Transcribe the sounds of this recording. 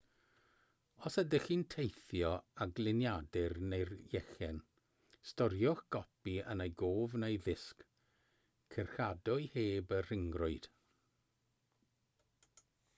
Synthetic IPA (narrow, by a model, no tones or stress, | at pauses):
ɔsədɪxiːntʰejθjɔaɡlˠɪnjadɪrnejrjɛxɛn | stɔɾjʊxɡ̥ɔpiənejɡoːvnejðɪsk | kʰərxadɔjheːbər̥ɪŋɡrʊɨd̥